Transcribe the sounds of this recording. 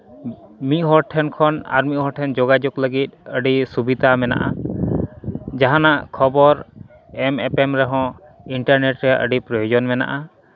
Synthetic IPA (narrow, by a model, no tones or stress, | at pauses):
mit̪̚ɦɔɾʈʰɛnkʰɔna̰ɾmit̪̚ɦɔɾʈʰɛnd͡ʒɔɡad͡ʒɔkləɡit̪̚ˀəɖisubid̪ʱamɛna̰ʔa | d͡ʒaɦanaʔkʰɔbɔɾ | ɛmɛpɛmɾɛɦɔ̃ | iɳʈaɾneʈɾɛaʔə̰ɖipɾɔjɔd͡ʒɔnmɛna̰ʔa